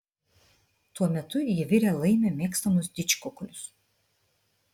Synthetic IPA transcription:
t̪uɔmʲɛt̪ʊjɪʋʲɪɾʲɛːlˠɐɪmʲeːmʲeːkst̪ɐmʊsd̪ʲɪt͡ʃʲkʊklʲʊs

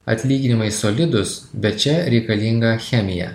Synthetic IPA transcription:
ɐ̰t̪ʲlʲiːɡʲɪnʲɪmɐɪsɔlʲɪd̪ʊsbʲɛt̪t͡ʃʲɛɾʲɛɪkɐlʲɪŋɡɐxʲɛmʲɪjɛ̰

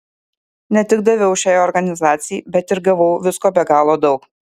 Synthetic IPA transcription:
nʲɛt̪ʲɪɡ̚d̪ɐʋʲɛʊʃʲæːjɔɾɡɐnʲɪzɑːt̪sʲɪjɪbʲɛt̪ɪɾɡɐʋɐʊʋʲɪskoːbʲɛɡɑːlˠoːd̪ɒʊk

